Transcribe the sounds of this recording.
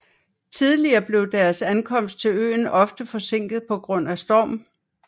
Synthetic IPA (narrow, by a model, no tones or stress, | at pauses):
t͡sʰið̞ˠliɐːb̥le̝ʊd̥æɐsænkʰɒ̽m̰sd̥̚t͡sʰe̝lø̰ːnɒ̽fd̥əfɒ̽se̝ŋ̰ɡ̥ð̞̩ˠpʰɒ̽ɡ̥ʁɔ̽n̰æsd̥ɒ̰ːm̩